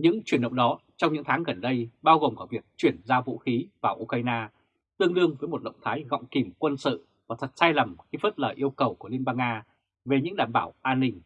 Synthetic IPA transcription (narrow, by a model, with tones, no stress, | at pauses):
ɲɨ̰˧˥ŋt͡ɕwi˨˩ənɗə̰˧˨wɗɔ˨˦t͡ɕɔ˧ŋ͡mɲɨ̰˧˥ŋt̪ʰaː˨˦ŋɣə˨˩nɗə˧jɓaː˧wɣo˨˩ŋ͡mkaː˧˩vi˨˩ək̚t͡ɕwi˧˩ənzaː˧vṵ˧˥xi˨˦vaː˨˩wʔu˧kaː˧jnaː˧ | t̪ɨ˧əŋlɨ˧əŋvəː˨˦jmo˨˩t̚ɗə̰˧˨wŋ͡mt̪ʰaː˨˦jɣɔ̰˧˨wŋ͡mki˨˩mkwə˧nsɨ̰˧˨ | vaː˨˩t̪ʰə˨˩t̚saː˧jlə˨˩mxi˧fəː˦˥t̚ləː˧˩jʔi˧əwkə˨˩wku˧˩əli˧ənɓaː˧ŋːaː˧ | ve˨˩ɲɨ̰˧˥ŋɗaː˧˩mɓaː˧˩wʔaː˧nːï˧ŋ